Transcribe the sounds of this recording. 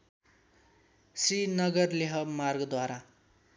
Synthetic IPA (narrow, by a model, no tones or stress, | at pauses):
sinʌɡʌrleɦʌmarɡʌd̪waɾa